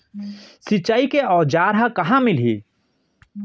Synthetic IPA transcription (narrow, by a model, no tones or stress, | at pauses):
sɪt͡ʃːaːikeɔːd͡ʒaːɾɦãkɐɦãmɪlɦḭː